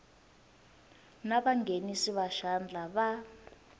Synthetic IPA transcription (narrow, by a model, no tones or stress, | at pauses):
naβaŋɡʱenisiβaʃand͡ɮʱaβa